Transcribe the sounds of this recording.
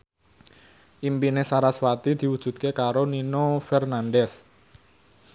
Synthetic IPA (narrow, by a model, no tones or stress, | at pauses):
ʔimpinesaɾaswat̪id̪̥i̤wud̥ʒ̥ṳt̪̚kekaɾoninofɛrnanɖɛs